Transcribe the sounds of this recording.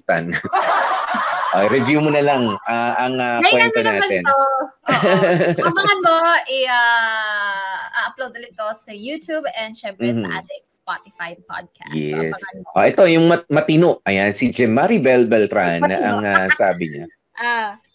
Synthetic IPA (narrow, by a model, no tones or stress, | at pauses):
t̪ɐn | ʔoʔɾɛvjuːmonɐlɐŋaʔɐŋɐkwɛnonaːɐɛno | mɐɐnmoʔɪa | ʔaʔɐplowd̪ɐlɪt̪̚kosɐjut̪jubɛnd̪ʃɛmp̩ɛhɐa̰d̪ɛkspat̪ɪfajp̚a̰d̪̚kʰajɛ̰sʔoʔɛt̪o̞jʊŋmɐmɐt̪ɪnoʔʔʔɐjansɪd͡ʒɛmːaɾibɛlbɛlt̪ɾanʔɐŋasaːbɪɲa̰ | ʔa